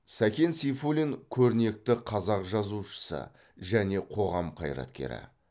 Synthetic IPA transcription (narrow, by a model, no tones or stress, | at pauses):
sækʲe̞nsijfulʲiŋkʲʰɵɾɪne̞k̚t̪ɪqʰɑzɑqʒɑzuʃə̥sə̰ | ʒæne̞qʰo̞ʁɑmqʰɑ̰jɾɑ̰t̪kʲe̞̰ɾɪ̰